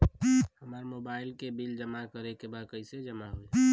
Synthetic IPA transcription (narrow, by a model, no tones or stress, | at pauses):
həmaːɾmoːbaːɪlkebild͡ʒəmakəɾekebad̪̚kəɪsed͡ʒəmaɦue